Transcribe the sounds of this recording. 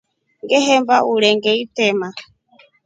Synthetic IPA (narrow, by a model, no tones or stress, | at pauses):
ŋɡɛɦɛmbaulɛŋɡɛitɛma